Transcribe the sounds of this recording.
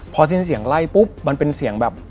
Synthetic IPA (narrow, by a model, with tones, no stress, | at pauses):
pʰɔː˧s̬i˥˩nsi˨˩˦əŋla˥˩jpu˦˥p̚ma˧npe˧nsi˨˩˦əŋbɛː˨˩p̚